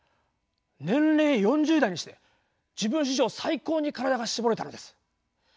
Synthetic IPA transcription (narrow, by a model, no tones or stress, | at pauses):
nẽ̞nɾe̞ːjõ̞ɲ̟d͡ʑɨːd̪aiɲ̟iɕi̥t̪e̞ | d͡ʑibɯ̃ɰ̃ɕ̬iʑo̞ːsaiko̞ːɲ̟ikaɾad̪aɡaɕibo̞ɾe̞t̪ano̞d̪e̞sɨ̥